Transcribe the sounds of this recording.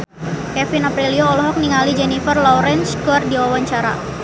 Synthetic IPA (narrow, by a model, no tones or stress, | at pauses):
kɛfinapɾilioːlɔɦɔk̚niŋalid͡ʒɛnifərlɔɾɛnskɔrdiwawaɲt͡ʃaɾa̰